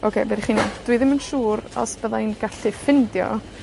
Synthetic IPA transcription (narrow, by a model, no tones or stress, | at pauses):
ʔokʰeːbɛɾiχinid̥wɨðɪmənʃuːɾɔ̰sb̥əðajnɡ̥aɬɨfɪndjɔ̰